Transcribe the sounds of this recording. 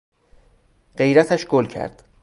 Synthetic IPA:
ɢe̞jɾæt̪ʰæʃɡ̥olcʰæ̰ɾd̪̥

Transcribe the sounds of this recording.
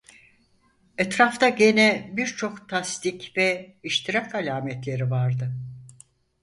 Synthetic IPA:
ɛt̪ɾaft̪aɟe̞nɛbiɾt͡ʃʰo̞kt̪ʰast̪icvɛiʃt̪ʰiɾakalʲaːmɛt̪lʲe̞ɾivaɾd̪ɯ

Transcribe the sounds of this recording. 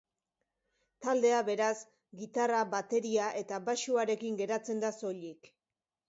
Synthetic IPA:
t̪ald̪e̞aβe̞ɾas | ɡit̪araβat̪e̞ɾiaʔe̞t̪abaʃuaɾe̞kiŋɡe̞ɾat͡se̞nd̪aso̞ʎik

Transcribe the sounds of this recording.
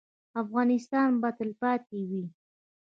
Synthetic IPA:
afɣɑnɪst̪ɑnbat̪əlpɑt̪̚ewi

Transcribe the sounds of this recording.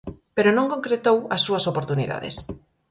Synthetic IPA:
peɾonõŋkõŋkɾet̪owɐsːuɐsopoɾt̪uniða̰ðḛs

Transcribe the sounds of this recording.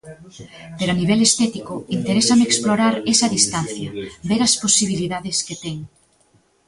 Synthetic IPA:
peɾoaniβ̞ɛlest̪ɛt̪ikʊint̪eɾesɐmeksploɾaɾesɐðist̪anθjɐbeɾɐsposiβ̞iliðaðesket̪ɛŋ

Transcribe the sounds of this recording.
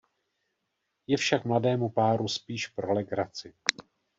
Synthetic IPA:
jɛfʃakmladɛːmupaːɾuspiːʃpɾo̞lɛɡɾat͡sɪ

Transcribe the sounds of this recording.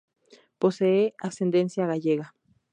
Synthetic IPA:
poseeasend̪ensjaɣaʝeɣa

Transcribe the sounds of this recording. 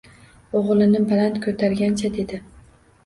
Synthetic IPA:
oʁlˠɪnɪbalant̪kʰɵt̪ʰaɾɡʲant͡ʃʰad̪e̞d̪ɪ

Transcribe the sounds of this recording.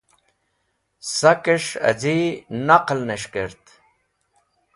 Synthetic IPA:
sakeʂɐ̰d͡ʑinaqlneʂkəɾt̪

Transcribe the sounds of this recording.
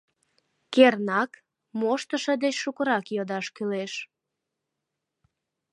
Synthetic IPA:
kernɑk | moʃt̪əʃəd̪et͡ɕʃukəɾɑkjod̪ɑʃkyleʃ

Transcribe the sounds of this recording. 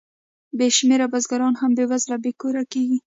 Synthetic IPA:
beʃmeɾabazɡaɾɑnhambewazlabekoɾakeɡi

